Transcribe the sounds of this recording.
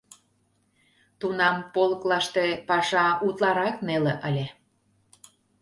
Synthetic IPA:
t̪unɑmpolə̆klɑʃt̪epɑʃɑut̪lɑɾɑkneleʔəlʲe

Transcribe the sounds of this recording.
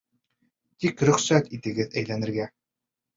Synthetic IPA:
t̪ikɾɵ̆χsæt̪it̪ɘ̆ɡɘðæjlænɘ̆ɾɡæ

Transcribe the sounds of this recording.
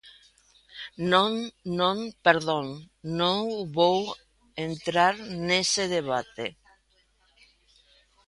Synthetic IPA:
nõŋnõŋpeɾðõŋ | nõŋβow | ent̪ɾaɾneseð̞eβ̞at̪e

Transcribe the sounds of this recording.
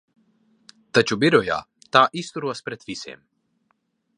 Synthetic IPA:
t̪at͡ʃubiɾɔja̰ | t̪aːʔist̪uɾuaspɾɛt̪ʋisḛm

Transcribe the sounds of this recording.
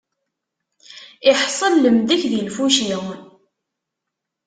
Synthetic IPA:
ɪħsˤəlːəmðæçðilfuʃiwn

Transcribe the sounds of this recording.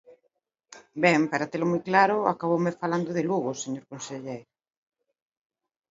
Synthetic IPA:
bɛmpaɾat̪elomujklaɾʊakaβ̞owmɪfaland̪oðɪluɣoseɲoɾkonseʎejɾ

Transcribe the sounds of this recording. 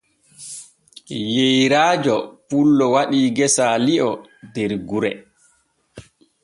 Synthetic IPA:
jejɾaːd͡ʒɔpulːɔwaɗiːɡɛsaliʔɔ | dɛɾɡuɾɛ

